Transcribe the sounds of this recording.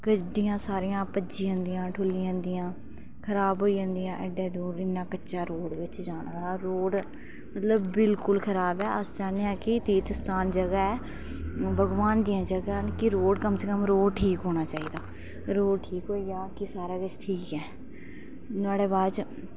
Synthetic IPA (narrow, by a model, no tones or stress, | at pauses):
kəɖijãːsaːɾijãːpəd͡ʒiːãnd̪ijãːʈʰʊlːijãːnd̪ɪjãː | kʰəɾaːbɦoːiːd͡ʒə̃nd̪ijãːʔəɖeːd̪uːɾɪnːaːkəːʃaːɾoːɽʋɪt͡ʃd͡ʒaːnaːd̪aːɾoːɖ | mət̪ləbːɪlkʊlkʰəɾaːbɛːəsd͡ʒaːneãːkɪt̪eːt̪st̪ʰaːnd͡ʒəɡaːɛː | bʱəɡʋaːnd̪ijãːd͡ʒəɡankɪɾoːɖkəmseːkəmɾoːɖʈʰiːkɦoːɽ̃aːt͡ʃaːiːd̪aː | ɾoːɖʈʰiːkɦoːiːjaːkɪsaːɾaːkɪt͡ʃʈʰiːkɛː | t̪ʊaːɽeːbaːt͡ʃ